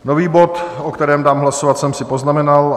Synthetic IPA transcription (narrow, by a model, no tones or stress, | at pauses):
no̞viːbo̞t̪ʔokt̪ɛɾɛːmdaːmɦlasovat̪sɛmsɪpo̞znamɛnal